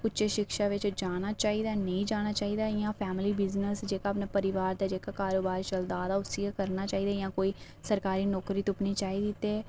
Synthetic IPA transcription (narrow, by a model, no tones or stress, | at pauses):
ʊtːt͡ʃeːʃɪkʃaːʋɪt͡ʃd͡ʒaːnaːt͡ʃaːiːd̪aːnəĩːd͡ʒaːñaːt͡ʃaːiːd̪aːjãːpʰɛːmɪliːbɪznəsd͡ʒeːkaːpneːpəɾɪʋaːɾd̪aːd͡ʒeːkaːkaːɾoːbaːɾt͡ʃəld̪aːd̪aːʊsiekəɾnaːt͡ʃaːiːd̪aːjãːkoːiː | səɾkaːɾiːnɔːkɾiːt̪ʊpniːt͡ʃaːiːd̪it̪eː